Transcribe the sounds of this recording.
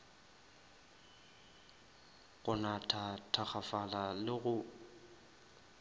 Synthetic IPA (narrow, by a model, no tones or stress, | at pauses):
ɣʊnatʰatʰak͡xafalalɪɣʊ